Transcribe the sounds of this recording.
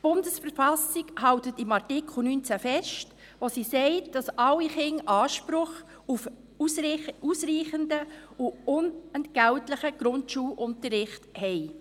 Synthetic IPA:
tb̥ʊndəsfəɾfɑsiɡhɑwtətɪmɑɾrtɪkχl̩ˠnyːnt͡sæfɛʃt | ʋosisɛɪtd̥ɑsɑlːiχɪŋʔɑːʃpɾʊχ | uf | susɾiːχəndəuʊnɛntɡ̥æwtləχəɡ̥ɾʊntʃuːlʔʊntəɾɪχthɛɪ

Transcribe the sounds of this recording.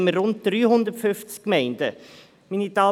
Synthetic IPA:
məːʊnt̚d̥ɾyːhʊnd̪əɾtfʏft͡skːmɛɪndə | minit̪ɑː

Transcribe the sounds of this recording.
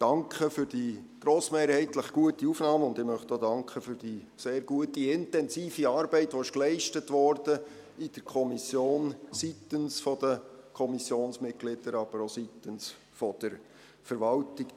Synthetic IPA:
d̥ɑŋkχəfʏɾd̥iɡ̥ɾoːsmeːɾhɛɪtləχɡ̥uətiufnɑːmʊndɪmœχtoːdɑŋkχəfyɾd̥i | seːɾɡuətiɪntɛnsiːfiɑːɾbɛɪtʋoɪʃklɛɪʃtətʋɔɾd̥ə | ɪd̥əɾkʰɔmisjoːnsitənsfɔd̥əkʰɔmisjoːnsmɪt̚ɡ̥lɪd̥əɾɑb̥əɾositəns | fɔd̥əɾ | fəɾʋɑltik

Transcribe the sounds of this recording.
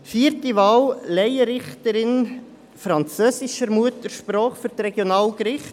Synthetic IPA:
fiːəɾtiʋɑːwlɛjəɾɪχt̪əɾɪn | fɾɑnt͡søːsɪʃəɾmuətəɾʃpɾɔːχfyɾtɾɛɡjonɑːlkɾɪχt

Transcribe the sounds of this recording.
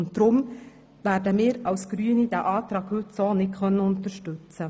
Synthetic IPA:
ʊntd̥ɾʊm | væːɾdəmɪːɾɑwsɡ̥ɾyənid̥æːʔɑːtɾɑːɡ̥hɵtsoːnɪtkʰœnːəʊnt̪əɾʃtɵt͡sə

